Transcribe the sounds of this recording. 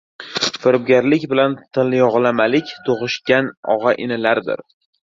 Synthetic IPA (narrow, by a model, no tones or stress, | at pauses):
fɪɾɪb̚ɡʲaɾlɪkʲbɪlant̪ʰɪlɪjɒʁlˠamalɪkʲt̪ʰoʁɨʃkʲanɒ̰ʁɑʔɪnɪlaɾd̪ɪ̰ɾ